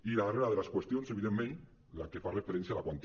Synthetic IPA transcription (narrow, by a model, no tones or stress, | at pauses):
ilaβareɾaðelaskwest̪jo̞nseβiðemːẽn | la̰kefarefeɾenθjalakwant̪i